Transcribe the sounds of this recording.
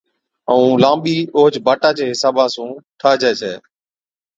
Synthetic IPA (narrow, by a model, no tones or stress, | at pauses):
əũːlãːmɓiːʔoːɦd͡ʒbaːʈãːt͡ʃeːɦɪsaːbãːsũːʈʰaːd͡ʒɛːsʰeː